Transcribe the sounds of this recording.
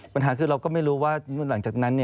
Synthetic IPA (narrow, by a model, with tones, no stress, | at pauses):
pa˧nɦaː˩˦kʰɯː˧ɾa˧wkɔː˥˩ma˥˩jɾuː˦˥waː˥˩˥la˩˦ŋt͡ɕaː˨˩k̚na˦˥nːi˥˩ɐ